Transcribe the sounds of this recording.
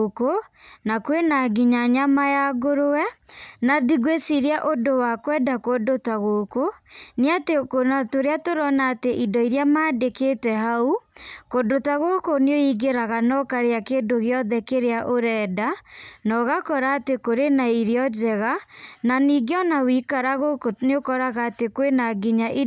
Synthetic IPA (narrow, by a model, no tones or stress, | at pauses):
konakwenaɡiɲaɲamajaɡoɾoɛnaðiɡwesiɾeaʔodowakwɛdakodotaɣokoneatekonatoɾeatoɾɔnaːteʔidɔiɾjamaːdeketɛɦaukodotaɣokoneoiɡeɾaɣanɔkaɾeakeːdoɣeɔðɛkeɾeaʔoɾɛːdanɔɣakɔɾaːtekoɾenaiɾeɔd͡ʒɛɣananiɡeɔnawikaɾaɣoneokɔɾaɣaːtekwenaɡiɲaʔi